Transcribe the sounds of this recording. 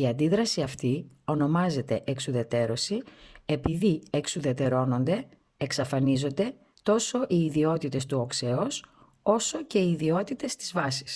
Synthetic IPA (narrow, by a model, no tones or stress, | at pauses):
iɐnd̪iðɾɐsiɐft̪io̞no̞mɐze̞t̪e̞ʔeksuðe̞t̪e̞ɾo̞sie̞piðieksuðe̞t̪e̞ɾo̞no̞nd̪e̞ | eksɐfɐnizo̞nd̪e̞ | t̪o̞so̞ʔiːðio̞t̪it̪e̞st̪uokse̞os | o̞so̞ce̞iːðio̞t̪it̪e̞st̪izvɐsi̥s